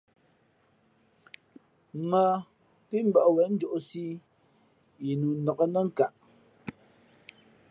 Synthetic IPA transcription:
mə˨ | pi˦m̩˦bə˦˨ʔwɛ˨˦n̩˦d͡ʒo˨ʔo˨si˦ | ji˨nu˨nɔ˨kə˦nə˦ŋ̩˨ka˨ʔ

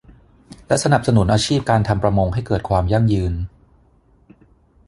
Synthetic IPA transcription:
lɛ˦˥ʔsa˧na˨˩p̚sa˧nu˩˦nʔaː˧t͡ɕʰiː˥˩p̚kaː˧nt̪ʰa˧mpɾa˧mo˧ŋɦa˥˩jkɤː˨˩t̪̚kʰwaː˧mja˥˩ŋjɯː˧n

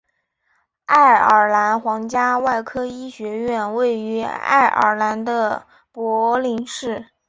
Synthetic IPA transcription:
a˥˩ɪə˞˨˩la˧˥nxwɑ˧˥ŋt͡ɕja˥wa˥˩ɪkʰɤ˥i˥ɕɥɛ˧˥ɥɛ˥˧nwe˥˩ɪy˧˥a̰˥˩ɪʔə̰˧˩la˧˥nd̪ə˧ | pwɔ˧˥li˧˥ŋʂɻ̩˥˩

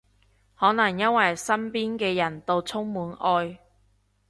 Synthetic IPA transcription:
hɔː˨˥nɐ˨˩ŋjɐ˥nwɐ˨˩jsɐ˥mpiː˥nkɛː˧jɐ˨˩nt̪o˧wt͡sʰʊ˥ŋmuː˨˥nʔɔː˧j

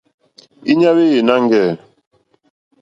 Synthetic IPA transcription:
i˦ɲa˦βe˦je˨na˦ŋ˦ɡɛ˦˨

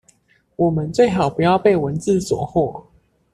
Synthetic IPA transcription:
wɔ˨˩mə˨˦nt͡swe˥˨ɪxɑ˨˩ʊpu˧˦jɑ˥˧ʊpe˥˨ɪwə˨˦nt͡sɹ̩˥˨swɔ̰˨˩˦xwɔ˥˩˨

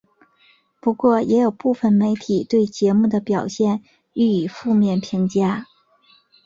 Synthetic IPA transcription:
pu˧˥kwɔ˥˩jɛ˧˥jo˨˩ʊpu˥˩fə˨˩nme˧˥ɪt̪ʰi˨˩t̪we˥˩ɪt͡ɕjɛ˧˥mu˥˩d̪ə˩pjɑ˨˩ʊɕjɛ˥˧n | y˥˩y˨˩fu˥˧mjɛ˥˩npʰi˧˥ŋt͡ɕja˥

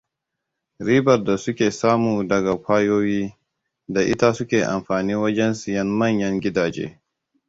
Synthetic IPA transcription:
ɾiː˦bɐ˨rda˨sʊ˦kʲeː˨saː˦muː˨dɐ˨ɡa˨kʷaː˦joː˦wiː˦ | da˨ʔɪ˦ta˦sʊ˦kʲeː˨ʔa̰˨mɸaː˨niː˦wɐ˦d͡ʒɛ˦nsɪ˨jɐ˦nmɐ˦˨ɲjɐ˦ŋɡʲɪ˦daː˨d͡ʒḛː˦

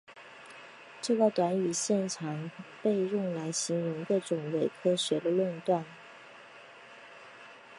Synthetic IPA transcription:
ʈ͡ʂɤ˥˩ɡə˥˩t̪wa˧˥ny˨˩ɕjɛ˥˩nʈ͡ʂʰɑ˨˧˥ŋpe˥˧ɪɻʊ˥˩ŋla˧˥ɪɕi˧˥ŋɻʊ˧˥ŋd̪ə˧˩ʈ͡ʂʊ˨˩ŋwe˨˩ɪkʰɤ˥ɕɥɛ˧˥lə˧lwə˥˧nt̪wa˥˩n

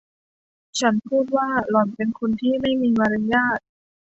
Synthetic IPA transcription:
t͡ɕʰa˦˥npʰuː˥˩t̪̚waː˥˩lɔ˨˩npe˧nkʰu˧nt̪ʰiː˥˩ma˥˩jmiː˧ma˧ɾa˧jaː˥˩t̪̚

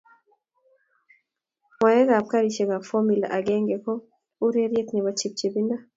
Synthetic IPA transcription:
mwa˨je˦ɣa˨p̚ka˦ɾi˨ʃe˨ɡa˨fɔ˦mi˨la̰˨ʔa˨ɡɛ˦ŋɡɛ˨kɔ˦ | u˦ɾe˦ɾje˦t̪ni˨βa˨t͡ʃi˨p̚t͡ʃe˨bi˦nda˦

